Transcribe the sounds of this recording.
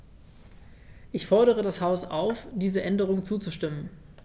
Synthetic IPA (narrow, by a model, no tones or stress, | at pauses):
ʔɪçfɔɐɾəʁ̞ədashaʊsaʊfd̥iːzəʔɛndəʁ̞ʊŋt͡suːt͡suʃtɪmən